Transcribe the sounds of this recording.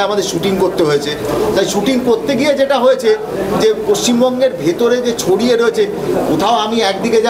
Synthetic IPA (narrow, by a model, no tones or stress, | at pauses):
amad̪eɾʃuʈiŋkoɾt̪eɦoet͡ɕʰe | t̪ajʃuʈiŋkoɾt̪eɡied͡ʑeʈaɦoet͡ɕʰe | d͡ʑepoʃt͡ɕimbɔŋɡeɾbʱet̪oɾed͡ʑet͡ɕʰoɽieɾoet͡ɕʰe | ot̪ʰaoamiɛkd̪iked͡ʑa